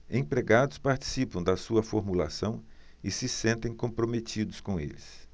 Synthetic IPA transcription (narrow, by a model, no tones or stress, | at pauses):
ẽpɾeɡad̪ʊspaɾt͡ʃi̥sipɐ̃w̃d̪ɐsuɐfoɾmula̰sɐ̃w̃ | ɪsɪsẽnt̪ẽj̃kõpɾomet͡ʃid̪ʊskõḛlɪs